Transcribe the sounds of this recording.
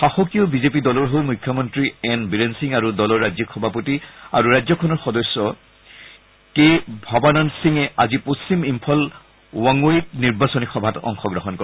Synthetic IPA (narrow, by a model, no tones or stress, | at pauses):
xaxɔkijɔbizepidɔlɔɹɦowmujkʰjɔmɔntɹiɛnbiɹensiŋaɹudɔlɔɹazikʰɔbʱapotia̰ɹuɹajzɔkʰɔnɔɹxɔdɔsːɔ | kebʱɔbanɔnsiŋɛaziposːimimpʰɔl | wɔŋojitniɹbasɔnixɔbʱatɔ̰ŋxɔɡɹɔɦɔnkɔ